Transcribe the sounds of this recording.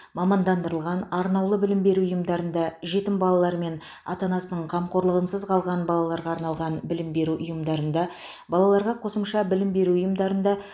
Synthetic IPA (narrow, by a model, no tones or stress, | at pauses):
mɑmɑnd̪ɑnd̪əɾəlˠʁɑnɑɾnɑwlˠəbɪlɪmbe̞ɾuʊjəmd̪ɑɾənd̪ɑʒe̞t̪ɪmbɑlˠɑlˠɑɾme̞n | ɑ̰t̪ɑnɑsənəɴqʰɑmqo̞ɾlˠəʁənsəzqʰɑlˠʁɑnbɑlˠɑlˠɑɾʁɑːɾnɑlˠʁɑnbɪlɪmbe̞ɾuʔʊjəmd̪ɑɾənd̪ɑ | bɑlˠɑlˠɑɾʁɑqʰo̞səmʃɑbɪlɪmbe̞ɾuʊjəmd̪ɑɾənd̪ɑ